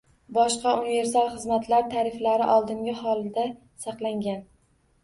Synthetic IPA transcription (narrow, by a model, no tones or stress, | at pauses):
bɒʃqɑunive̞ɾsalˠχɨzmat̪ʰlaɾt̪ʰaɾɪflaɾɪʔɒlˠd̪ɪŋɡʲɪhɒlˠd̪a | sɑqlˠaŋɡʲan